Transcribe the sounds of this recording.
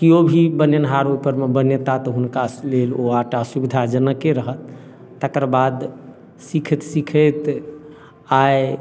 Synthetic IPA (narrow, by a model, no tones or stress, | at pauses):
kiobʱibənjənɦaɾupəɾmebənjət̪at̪ɔɦunkaleloaʈasubid̪ʱad͡ʒənəkːeɾəɦət̪ː | əkəɾbad̪ | sikʰət̪sikʰət̪ | aj